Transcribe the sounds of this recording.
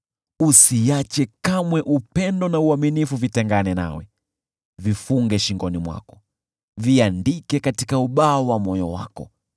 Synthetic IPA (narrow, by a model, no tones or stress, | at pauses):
usiat͡ʃɛkamwɛʔupɛndɔnauaminifuvitɛŋɡanɛna̰wɛ | vifuŋɡɛʃiŋɡɔnimwa̰kɔ̥ | viandikɛkati̥kauɓaːwamɔjɔ̰wa̰kɔ̰